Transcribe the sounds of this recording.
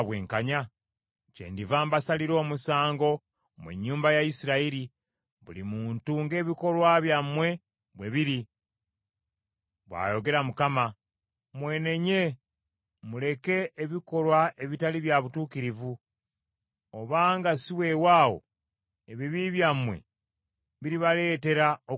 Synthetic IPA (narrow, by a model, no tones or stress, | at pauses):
βweːŋkaɲa | cḛːndivaːmbasaliɾo̞ːmusaːŋɡo̞ | mwḛɲːuːmbajaisiɾaiɾi | βulimuːntuŋɡe̞ːβiko̞lwaβjamwe̞ | βwe̞βiɾi | βwa̰ːjo̞ɡe̞ɾamukama | mwe̞ːne̞ɲe̞ | mule̞ke̞ʔːβiko̞lwaʔe̞βitaliβjaβutuːkiɾivu | oβaːŋɡasiwe̞waːwo̞̰ | eβiβiβjamwe̞̰ | βiɾiβale̞ːte̞ɾao